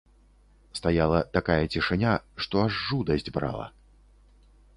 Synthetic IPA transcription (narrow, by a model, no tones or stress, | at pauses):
st̪ajalˠɐt̪akajɐt͡sʲiʂɨnʲaʂt̪ɔaʐːud̪ɐzʲd͡zʲbɾa̰lˠɐ̰